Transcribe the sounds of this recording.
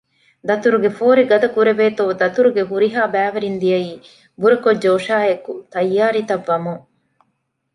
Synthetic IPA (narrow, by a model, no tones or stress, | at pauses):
d̪ɐt̪uɾuɡefoːɾiɡɐd̪ɐkuɾeʋeːt̪oːd̪ɐt̪uɾuɡeɦuɾiɦaːbæːʋɐɾind̪ijɐiː | buɾɐkod͡ʒːoːʃaːekut̪ɐjːaːɾit̪ɐʋːɐmuŋ